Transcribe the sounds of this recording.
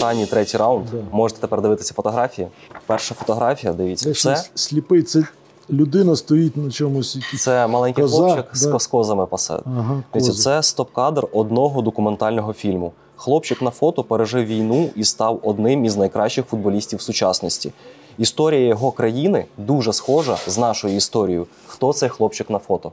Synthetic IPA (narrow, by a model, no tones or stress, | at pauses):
t̪ɑnʲːit̪ɾɛtʲijɾɑwʊnd̪mɔʒet̪ɛ̥t̪epɛrd̪ɪʋɪt̪ɪsʲɐfɔt̪ɔɦɾɑfʲijipɛrʃɐfɔt̪ɔɦɾɑfʲijɐd̪ɪʋʲit͡s̪ʲːsɛsʲlʲipɪt̪sɛ | lʲʊd̪ɪnɐst̪ɔjit̪̚ʲnɐt͡ʃɔmʊsʲt̪sɛmɐlˠɛnʲkɪjlˠɔt͡ʃɪk̪skɔzɐmɪpɐsɛ̰ɦd̪ʋisʲɛsɛst̪ɔp̚kɑd̪rɔd̪nɔɦɔd̪ɔkʊment̪ɑlʲnɔɦɔfʲilʲmʊ | xlˠɔpt͡ʃɪknɐfɔt̪ɔpeɾeʒɪwʋʲijnuist̪ɑwɔd̪nɪmiznɐjkɾɑʃt͡ʃːɪxfʊd̪̚bɔlʲisʲtʲiwsʊt͡ʃɑsnɔsʲtʲḭ | ist̪ɔɾʲijɐjɔɦɔkɾɐjinɪd̪uʒɛsxɔʒɐznɑʃʊjʊist̪ɔɾʲijʊ | xt̪ɔt̪sɛjxlˠɔpt͡ʃɪknɐfɔt̪ɔ